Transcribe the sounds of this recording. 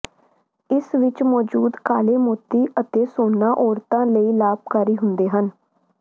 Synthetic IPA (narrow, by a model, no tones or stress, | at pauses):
ɪsʋɪt͡ʃmɔːd͡ʒuːd̪kaːleːmoːt̪iːʔət̪eːsoːnːãːʔɔːɾt̪ãːləiːlaːp̚kaɾiːɦʊnd̪eːɦən